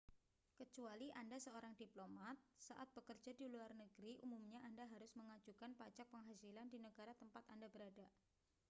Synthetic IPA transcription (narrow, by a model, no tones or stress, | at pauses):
kət͡ʃualiʔandasəoɾaŋdiplomat̪̚saʔat̪̚b̥əkərd͡ʒadiluarnəɡɾiʔumumɲaʔandaɦaɾʊsməŋad͡ʒukanpat͡ʃak̚pəŋɦasilandinəɡaɾat̪əmpat̪andabəɾada